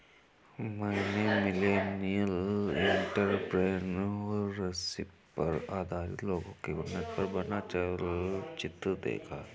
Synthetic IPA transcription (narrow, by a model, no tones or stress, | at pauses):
mɛːnemɪleːnijəlɪ̃ɳʈəɾpɾeːnɔːɐsɪp | pɐ̰ɾaːd̪ʱaːɾɪ̰t̪loːɡõkeɡʊnːət̪̚pɐɾbɐnat͡ʃəlt͡ʃɪt̪d̪ḛːkʰaː